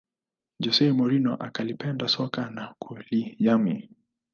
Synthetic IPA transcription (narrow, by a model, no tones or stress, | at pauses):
d͡ʒɔsɛmɔɾinɔʔakalipɛndasɔkanakulijami